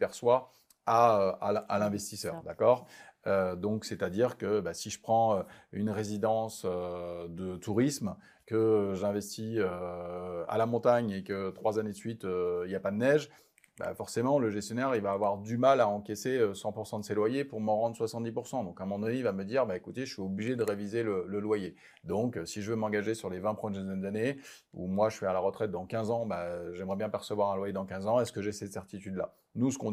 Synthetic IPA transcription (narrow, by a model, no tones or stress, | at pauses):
pɛʁswa | aøa̰a̰lɛ̃vɛst̪isœ̰ːʁd̪akɔːʁød̪ɔ̃ksɛt̪ad̪iʁkəbasiʒə̥pχɑ̃øynʁezid̪ɑ̃sød̪ət̪uʁism | kəʒɛ̃vɛst̪iø | a̰lamɔ̃t̪aɲekət̪χwazaned̪əsɥit̪øiljapad̪ənɛʒ | ba̰fɔʁsemɑ̃ləʒɛst̪jɔnɛʁivaːvwaʁd̪ymalaɑ̃kʲeseøsɑ̃puʁsɑ̃d̪əselwajepuʁməʁɑ̃d̪ʁəswasɑ̃t̪d̪ipuʁsɑ̃d̪ɔ̃kãmɑ̃d̪ɔneivaməd̪iʁbaekut̪eəʃɥiobliʒed̪əʁevizelələlwaje | d̪ɔ̃ksiʒəvømɑ̃ɡaʒesyʁlevɛ̃pχəmjɛd̪ɛnd̪ane | ṵmwaʒəʃɥialaʁət̪χɛt̪̚d̪ɑ̃kʲɛ̃zɑ̃baʒɛmʁɛbjɛ̃pɛʁsəvwaʁɛ̃lwajed̪ɑ̃kɛ̃zɑ̃ɛskəʒesɛt̪sɛʁt̪it̪yd̪la̰ | nusə̥kɔ̃